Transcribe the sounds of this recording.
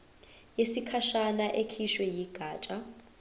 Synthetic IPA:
jesikʰaʃanaʔekʰiʃwɛjiɡ̥ʱaːt͡ʃʼa

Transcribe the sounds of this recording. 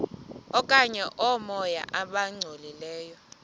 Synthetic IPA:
ɔkʼaɲɛʔɔmɔja̰ʔaɓaŋ͡ǀʱolilɛːjɔ

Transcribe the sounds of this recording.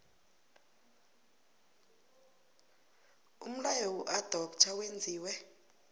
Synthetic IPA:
um̩lajɔwuʔad̥ʱɔkt͡ʃʰawend͡zʱiːwɛ

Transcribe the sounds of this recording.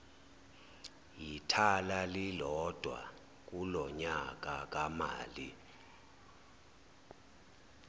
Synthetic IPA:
jitʰalalilɔd̥ʱwa̰ | k̬ʼulɔɲak̬ʼak̬ʼama̰ːli

